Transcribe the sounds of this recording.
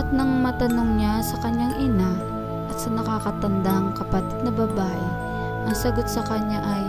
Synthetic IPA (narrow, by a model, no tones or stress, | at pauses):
ɐt̪̚nɐŋmɐt̪ɐnoŋɲasɐkɐɲaŋʔɪna | ʔɐt̪sɐnɐkakɐt̪ɐnd̪aɐŋkɐpɐt̪ɪd̪̚nɐbaːbaʔɪ | ʔɐŋsɐɡot̪̚sɐkɐɲːaʔɐj